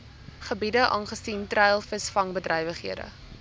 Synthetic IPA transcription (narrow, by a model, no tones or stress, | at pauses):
χəbidəʔɑ̰ːnχəsintrɛjlˠfəsfɐŋbədrʔɛjvəχɦiədə̰